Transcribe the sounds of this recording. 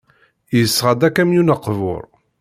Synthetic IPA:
jəsːʁad̪ækːæmjunəqːvʊ̰ɾˤ

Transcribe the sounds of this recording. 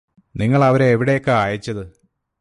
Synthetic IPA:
niŋːɐɭɐʋɐɾeːʋiɽejokːeaːjit͡ɕːɐðɨ

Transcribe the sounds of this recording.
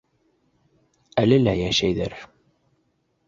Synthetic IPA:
ælælæjæʃæjðæ̰ɾ

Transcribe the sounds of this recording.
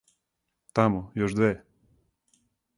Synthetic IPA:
t̪amojoʒd̪ʋeː

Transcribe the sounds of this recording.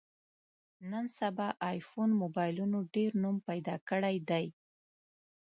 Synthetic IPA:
nənsabɑʔɑjfonmobɑjlunoɖeɾnumpajd̪ɑkəɽajd̪aj

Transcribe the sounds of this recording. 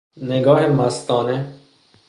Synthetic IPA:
neɡɒːhemast̪ɒːne

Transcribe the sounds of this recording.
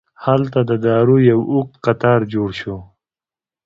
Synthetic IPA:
halt̪ad̪əd̪ɑːɾujawʊq̚t̪qat̪ɑɾd͡ʒoɽʃo

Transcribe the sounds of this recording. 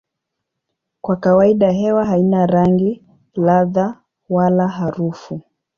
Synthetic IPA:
kwakawaiɗaɦɛwaɦainaɾaŋɡi | laða | walaɦaɾufu

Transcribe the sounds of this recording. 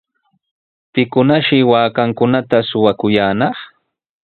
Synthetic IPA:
pɪkʊnaʃɪwaːkaŋkʊnat̪asʊwakʊjaːnɑχ

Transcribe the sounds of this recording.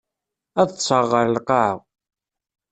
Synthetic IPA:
æðəsˤəʁːəɾlqɑʕw

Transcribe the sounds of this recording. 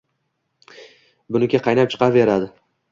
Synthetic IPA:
bʊnɪkʲaqʰɑjnap̚t͡ʃʰɨ̥qʰɑɾve̞ɾad̪ɪ

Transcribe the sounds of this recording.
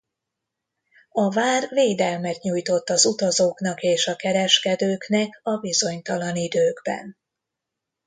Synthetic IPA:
ɒvaːrveːd̪ɛlmɛt̪ɲujt̪o̞t̪ːɒzut̪ɒzoːknɒkeːʃɒkɛɾɛʃkɛd̪øːknɛkɒbizo̞ɲt̪ɒlɒnid̪øːɡbɛ̰n

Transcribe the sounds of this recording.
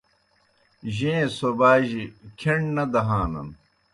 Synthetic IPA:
ʑẽːsobaːʑikʰeɳnɐd̪ɐɦaːnɐ̰n

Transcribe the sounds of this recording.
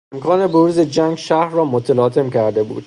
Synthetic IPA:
emkʰɒːne̞boɾuːze̞d͡ʒæŋɡʃæhɾrɒːmot̪ʰælɒːt̪ʰe̞mcæɾd̪e̞bṵːd̪̥

